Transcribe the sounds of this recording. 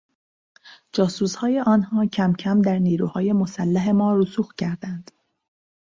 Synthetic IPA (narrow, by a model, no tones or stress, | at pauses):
d͡ʒɒːsuːshɒːje̞ʔɒːnhɒːcʰæmcʰæmd̪æɾniːɾuːhɒːje̞mo̞sælːæɦe̞mɒːɾusuːxcʰæɾd̪ænd̪̥